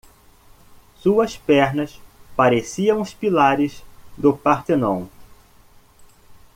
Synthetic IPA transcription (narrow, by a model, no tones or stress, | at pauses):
suɐspɛɾnɐspaɾesiɐ̃w̃ʊspilaɾɪzd̪ʊpaɾt̪enõw̃